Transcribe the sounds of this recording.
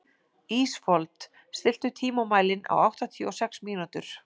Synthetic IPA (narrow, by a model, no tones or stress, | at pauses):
iːsfɔlt̪ | st̪ɪl̥t̪ʏt̪ʰiːmumaːjlɪnʔa̰wawht̪at̪ʰiɔsɛksmiːnut̪ʏɾ̥